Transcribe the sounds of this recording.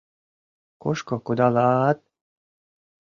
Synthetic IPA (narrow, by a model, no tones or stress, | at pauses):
koʃkokod̪ɑlɑt̪̚